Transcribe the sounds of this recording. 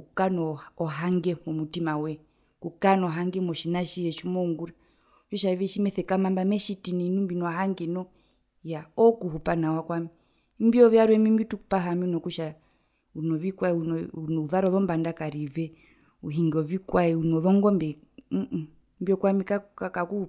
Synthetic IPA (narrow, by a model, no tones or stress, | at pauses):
kukanɔɔɦaŋɡɛmɔmutimawɛ | kukanɔɦaŋɡɛmɔʃinaʃiɛʃumɔuŋɡuɾa | ʃɔʃavɛʃimɛθɛkamambamɛʃitinɛnumbinɔaɦaŋɡɛnɔ | jaɔkuhupanawakwami | mbiɔvjaɾwɛmimbitukupaɦamiunɔkuʃa | unɔvikwaɛuunɔuðaɾɔðɔmbandakaɾivɛ | uɦiŋɡɔvikwaɛunɔðɔŋɡɔmbɛ | mbiɔkwamikaakakuu